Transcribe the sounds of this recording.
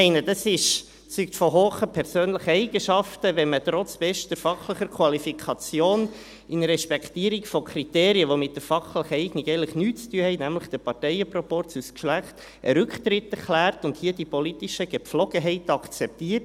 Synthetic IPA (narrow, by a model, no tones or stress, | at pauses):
ɛɪnədɑsɪʃ | t͡syktfɔɦoːχəpʰɛɾsøːnləχəɛɪɡ̥əʃɑftəʋɛmətɾɔt͡sb̥ɛʃtəɾfɑχləχəɾkʰwɑlifikʰɑt͡sjoːn | ʔɪnɾɛʃpɛkʰtiːɾikfɔkʰriteːɾiəʋomɪtdəfɑχləχəɛɪɡniɡɛɪləχnyːtt͡styəhɛɪnæmləχd̥əpɑrtɛɪəpɾɔpɔɾt͡suskʃlæχt | ʔəɾʏkχtɾɪtːɛɾklæːrtʊndhiədipolitiʃəɡ̥ɛflɔɡ̥əɦɛɪtɑkt͡sɛp̚tiːət